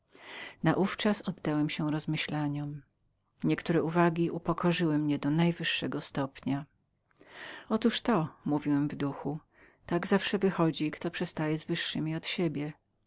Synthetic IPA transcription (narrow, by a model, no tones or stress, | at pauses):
naʔuft͡ʂasɔd̪ːawɛmɕɛɾɔzmɘɕlaɲɔm | ɲɛkt̪uɾɛuvaɡʲiʔupɔkʰɔʐɘwɘmɲɛd̪ɔnajvɘʂːɛɡɔst̪ɔpɲa | ɔt̪uʂt̪ɔmuvʲiwɛmvd̪uxu | t̪aɡzafʂɛvɘxɔd͡ʑikt̪ɔpʂɛst̪ajɛzvɘʂːɘmʲiɔt̪ɕebʲjɛ